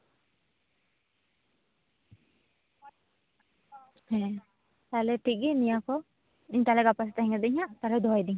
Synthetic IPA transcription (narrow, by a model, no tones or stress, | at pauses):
hɛ̃ | t̪alɛʈiɡinijakɔ | iɲt̪alɛɡapas̬ɛt̪aɦɛŋad̪ɛiɲaʔt̪alɛd̪ɔɦajd̪iŋ